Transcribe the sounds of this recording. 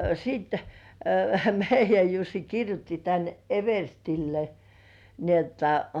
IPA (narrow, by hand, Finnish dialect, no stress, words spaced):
siːt meijˑæj jusːi kirjutːi tæn eʋerstilːe ni otːɑ